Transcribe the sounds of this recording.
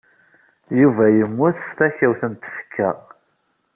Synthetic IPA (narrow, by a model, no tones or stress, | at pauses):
juvæjəmːʊθst̪æçæwθənt̪ːə̥fə̥kʰːæ̰